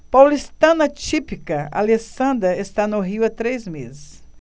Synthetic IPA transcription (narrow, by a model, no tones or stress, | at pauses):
pawlist̪ɐ̃nɐt͡ʃipikɐa̰lesɐ̃nd̪ɾɐest̪anʊɦiʊɐt̪ɾejzmezɪs